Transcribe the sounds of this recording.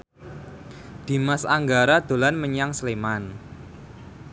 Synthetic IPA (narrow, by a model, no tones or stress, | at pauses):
d̪̥i̤masaŋɡaɾad̪̥o̤lanməɲaŋsleman